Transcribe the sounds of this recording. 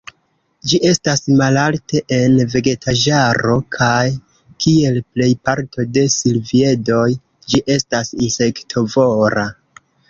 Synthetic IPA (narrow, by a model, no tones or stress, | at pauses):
d͡ʒiʔe̞stasmalalte̞ʔenve̞ɡe̞tʰad͡ʒaɾo̞kʰaj | kʰie̞lple̞jpaɾtʰo̞de̞silvie̞do̞j | d͡ʒiʔe̞stasinse̞ktʰo̞voɾa